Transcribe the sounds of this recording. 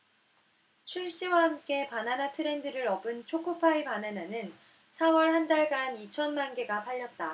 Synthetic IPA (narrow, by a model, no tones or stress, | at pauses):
t͡ɕʰuɭɕ͈iwahamk͈e̞pananatʰɯɾe̞ndɯɾɯɾʌbɯnt͡ɕʰokʰopʰaipanananɯn | sʰawʌɭhandaɭɡanit͡ɕʰʌnmanɡe̞ɡapʰaʎːʌt̚t͈a